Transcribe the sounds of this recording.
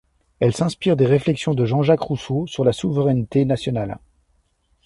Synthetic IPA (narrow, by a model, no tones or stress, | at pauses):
ɛlsɛ̃spiʁd̪eʁeflɛksjɔ̃d̪əʒɑ̃ʒakχusosyʁlasuvəʁɛnt̪enasjɔnal